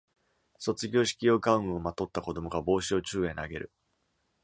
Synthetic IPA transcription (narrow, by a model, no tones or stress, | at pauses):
so̞t͡sɨɡʲo̞ːɕi̥kʲijo̞ːɡaɯ̟̃ɯo̞mat̪o̞t̪ːako̞d̪o̞mo̞ɡabo̞ːɕio̞t͡ɕɨːẽ̞naɡe̞ɾɯ̟